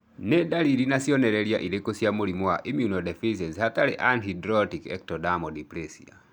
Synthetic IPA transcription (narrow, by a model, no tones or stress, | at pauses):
nɛdaɾiɾinasjɔnɛɾɛɾja̰ʔiɾekosjamuɾimɔwaʔimjunɔdɛfis̬ɛshataɾeʔanhidɾɔtikɛ̰k̚tɔdamɔdipɾɛsḭa̰